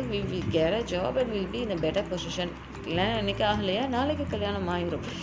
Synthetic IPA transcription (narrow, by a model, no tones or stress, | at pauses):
ʋiʋɪɡɛɾɐd͡ʒɔːbɐ̃ʈʋɪlbiɪ̃nd̪əbɛʈɐɾpɔzɪʃɐ̃n | lãɛnːɛkʲːaːɦɐlːɐjaːnaːlɛkːɨkɐljaːnɐ̃maːjɪɾʊ̃m